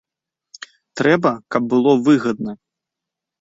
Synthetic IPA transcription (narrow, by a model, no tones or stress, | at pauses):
t̪ɾɛbɐkɐb̚ːɨlˠɔvɨɣɐd̪̚nɐ